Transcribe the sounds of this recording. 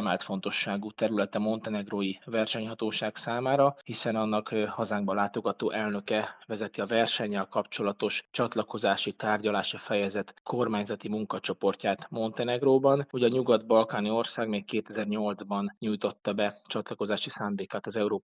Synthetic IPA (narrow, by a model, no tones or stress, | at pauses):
maːlt̪fo̞n̪t̪o̞ʃːaːɡut̪ɛɾylɛt̪ɛmo̞nt̪ɛnɛɡroːjivɛrʃɛɲhɒt̪oːʃaːɡsaːmaːɾɒhisɛnɒnːɒkhɒzaːŋɡ̚bɒlaːt̪o̞ɡɒt̪oːʔɛlnø̞kɛvɛzɛt̪iɒvɛrʃɛɲːɛlkɒpt͡ʃo̞lɒt̪o̞ʃt͡ʃɒt̪lɒko̞zaːʃit̪aːrɟɒlaːʃifɛjɛzɛt̪kʰo̞rmaːɲzɒt̪imuŋkɒt͡ʃo̞po̞rcaːt̪mo̞nt̪ɛnɛɡroːbɒnuɟɒɲuɡɒd̪bɒlkaːnio̞rsaːɡmeːkkeːt̪ɛzɛrɲo̞ld̪zbɒnɲujt̪o̞t̪ːɒbɛt͡ʃɒt̪lɒko̞zaːʃisaːnd̪eːkaːt̪ɒzɛuɾoː